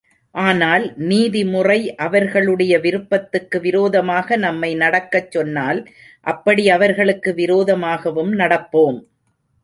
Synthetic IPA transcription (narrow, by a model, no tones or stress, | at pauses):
ʔaːnaːlniːðimʊrɐɪʔɐʋɐɾɣɐɭɯɽɐjɐʋɪɾɯpːɐt̪ːɯkːɯʋɪɾoːðɐmaːɣɐnɐmːɐɪnɐɽɐkːɐt͡ʃːɔnːaːl | ʔɐpːɐɽiɐʋɐɾɣɐɭɯkːɯʋɪɾoːðɐmaːɣɐʋɯmnɐɽɐpːoːm